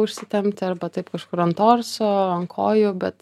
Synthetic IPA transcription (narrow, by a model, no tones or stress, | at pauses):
ʊʃʲsʲɪt̪ʲɛmʲpʲt̪ʲɐɾbɐt̪ɐɪpkɐʃkʊɾɐnt̪oːrsoːɐŋkʰoːjʊbʲɛt̪